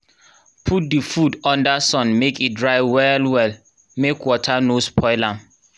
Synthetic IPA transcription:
pʰut̚difudɔ̃ndasɔ̃nmekit̚dɹaɪwɛlwɛl | mekwɔtʰanospʰɔɪlãm

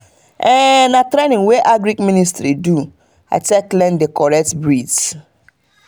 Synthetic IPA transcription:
ɛnatɾenĩŋweʔaɡɾikministɾidu | a̰ɪteklɛ̃ndekɔɹɛk̚tbɹid

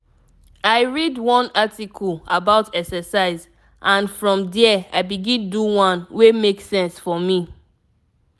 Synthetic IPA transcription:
aɪɹidwɔ̃natikʰɔlabaʊtʰɛksɛsaɪz | ʔãnfɹɔ̃mdɛa̰ɪbiɡĩnduwɔ̃nwemeksɛ̃nsfɔmi

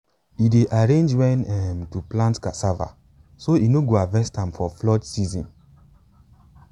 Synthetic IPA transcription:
ideʔaɹẽnd͡ʒwɛ̃nɛmtuplãntkasava̰ | soinoɡoavɛstãmfɔflɔtsizɔ̰̃n

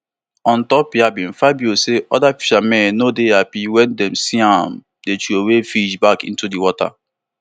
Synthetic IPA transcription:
ɔ̃ntɔpjabĩn̩fabioseʔɔdafi̥ʃamɛ̃nnodeapiwɛ̃ndɛ̃msiãm | det͡ʃuowefid͡ʒbakḭ̃n̩tudiwɔta̰

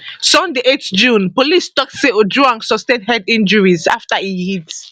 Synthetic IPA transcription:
sɔ̃ndeʔetd͡ʒũnpolistɔk̚tseodɹuãnsɔstẽnɦɛdĩnd͡ʒəɹiza̰ftaijit

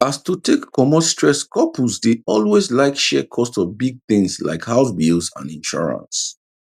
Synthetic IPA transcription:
astutʰekːɔmɔstʰɹɛskʰɔpʰuzdeɔlwezlaɪkʃɛkʰɔstsɔvbiɡ̚θɪ̃ŋsla̰ɪkhaʊsbilzã̰nĩnʃɔ̰ɹə̰̃ns

